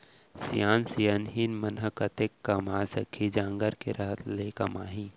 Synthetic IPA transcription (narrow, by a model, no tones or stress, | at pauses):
sijaːnsijənɦinmɐnɦəkɐt̪ekːɐmaːsɐkʰid͡ʒãːŋɡəɾkeɾɐɦt̪ʰleːkɐmaːɦĩː